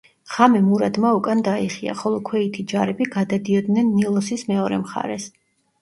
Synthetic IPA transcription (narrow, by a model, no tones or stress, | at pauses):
χamɛmuɾad̪maukʼand̪aiχia̰χɔlˠɔkʰwɛit̪ʰid͡ʒaɾɛbiɡad̪ad̪iɔd̪nɛnːilˠɔsismɛɔɾɛ̰mχa̰ɾɛs